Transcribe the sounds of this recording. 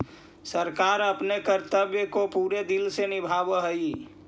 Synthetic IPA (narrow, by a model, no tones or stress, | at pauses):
səɾkaɾəpnekəɾt̪əbjəkopuɾed̪ilsenibʱabəɦəi